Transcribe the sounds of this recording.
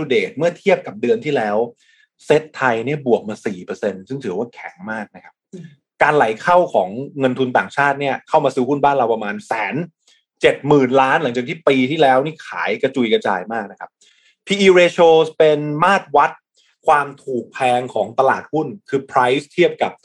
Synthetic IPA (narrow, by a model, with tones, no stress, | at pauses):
u˧deː˨˩t̪̚mɯ˥˩ɐt̪ʰi˥˩əp̚ka˨˩p̚dɯ˧ənt̪ʰiː˥˩lɛː˦˥w | se˦˥t̪ʰːa˧jni˥˩əbu˨˩ək̚maː˧siː˨˩pɤː˧se˧nsɯ˥˩ŋt̪ʰɯː˩˦waː˥˩kʰɛ˩˦ŋmaː˥˩k̚na˦˥kʰa˦˥p̚ | kaː˧nla˨˩˦jkʰa˥˩wkʰɔː˩˦ŋːɤ˧nt̪ʰu˧nt̪a̰ː˨˩ŋt͡ɕʰaː˥˩t̪̚ni˥˩ɐkʰa˥˩wmaː˧sɯː˦˥hu˥˩nbaː˥˩nɾa˧wpa˧maː˧nsɛː˩˦n | t͡ɕe˨˩t̪̚mɯː˨˩nlaː˦˥nla˩˦ŋt͡ɕa˨˩k̚t̪ʰiː˥˩piː˧t̪ʰiː˥˩lɛː˦˥wniː˥˩kʰa̰ː˩˦jka˧t͡ɕu˨˧˩jka˧t͡ɕa̰ː˧jmaː˥˩k̚na˦˥kʰa˦˥p̚ | pʰiː˧ʔiː˧ɾeː˧t͡ɕʰoː˧spe˧nmaː˥˩t̪̚wa˦˥t̪̚ | kʰwaː˧mt̪ʰuː˨˩k̚pʰɛː˧ŋkʰɔː˩˦ŋt̪a˧la̰ː˨˩t̪̚hu˥˩nkʰɯː˧pʰɾa˦˥jst̪ʰi˥˩əp̚ka˨˩p̚